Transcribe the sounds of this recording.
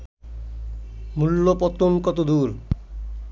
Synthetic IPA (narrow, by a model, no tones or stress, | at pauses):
mulːopɔt̪omkɔt̪od̪uɾ